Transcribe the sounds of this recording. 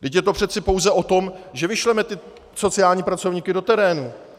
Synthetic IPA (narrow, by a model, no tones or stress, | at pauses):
dɪcjɛt̪o̞pr̝̥ɛt̪t͡sɪpo̞wzɛʔo̞t̪o̞mʒɛvɪʃlɛmɛt̪ɪ | so̞t͡sɪaːlɲiːpɾat͡so̞vɲiːkɪdo̞t̪ɛɾɛːnu